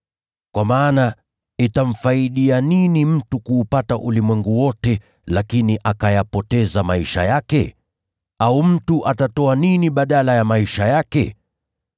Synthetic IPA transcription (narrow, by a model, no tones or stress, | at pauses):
kwamaːna | itam̩faiɗianinim̩tukuːpataʔulimwɛŋɡuwɔtɛ | lakiniʔakajapɔtɛzamaiʃa̰jakɛ̰ | aum̩tuʔatatɔaniniɓaɗalajamaiʃajakɛ̰